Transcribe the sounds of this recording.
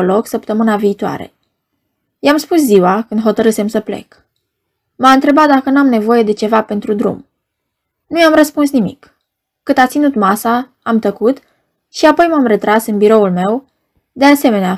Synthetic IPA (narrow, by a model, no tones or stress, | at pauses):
lo̞ksəpt̪əmɨnaviːt̪oa̰ɾe̞̰ | jamspusziwakɨnd̪ɦo̞t̪əɾɨse̞msəple̞̰k | maɨnt̪ɾe̞bat̪̚d̪akənuamne̞vo̞je̞d̪e̞t͡ʃe̞vape̞nt̪ɾud̪ɾṵm | nujamrəspunsnimḭkː | ɨd̪at̪sinut̪masaː | mt̪əkut̪ | ʃiapo̞jmamre̞t̪ɾasɨnbiɾo̞ulme̞w | d̪e̞ase̞me̞nea